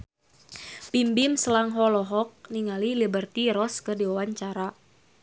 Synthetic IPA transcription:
pimbɪmsəlaŋɦɔlɔɦɔk̚niŋalilibərt̪iɾɔskədiwawaɲt͡ʃaɾa

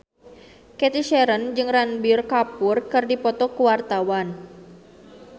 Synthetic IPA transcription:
kɛt̪iʃɛɾənd͡ʒɨŋranbirkapʊrkɨrdipɔt̪ɔkuwart̪awan

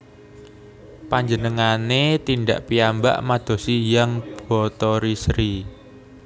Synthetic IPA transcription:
paɲd͡ʒənəŋanet̪inɖa̰ʔpiamba̰ʔmad̪̥ɔ̤sijaŋb̥ɔt̪ɔɾisɾi

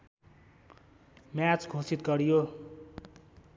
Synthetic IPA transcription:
mjat͡sɡʱosit̪̚ɡʌɾijo

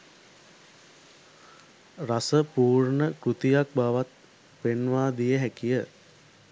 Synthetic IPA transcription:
rasəpuːrɳəkɾut̪ijak̚baʋat̪̚ | penʋaːd̪ijəɦækijə

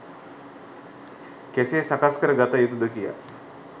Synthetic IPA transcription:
kesesakaskəɾəɡat̪ajut̪ud̪əkija̰

